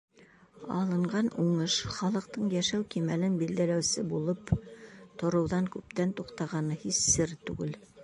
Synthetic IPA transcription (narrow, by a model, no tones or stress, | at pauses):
ɑ̰lˠɤ̆ɴɢɑnuɴɤʃχɑlˠɤ̆q̚t̪ɤɴjæʃæwkimælɘnbild̪ælæwsɘbulˠɤpt̪ŏɾɤ̆wðɑŋkʉp̚t̪ænt̪uqt̪ɑʁɑnɤhisːɘɾt̪ʉ̰ɡɘl